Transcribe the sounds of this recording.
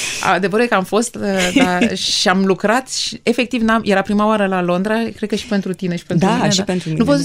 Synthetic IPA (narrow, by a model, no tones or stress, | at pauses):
a̰d̪e̞vəɾbekəamfo̞st̪əd̪aʃʃiamlukɾat̪ʃie̞fe̞k̚t̪ivnamje̞ɾapɾimaoaɾəlalo̞nd̪ɾakɾekəʃi̥pe̞nt̪ɾut̪ine̞ʃi̥penaipent̪ɾunupot̪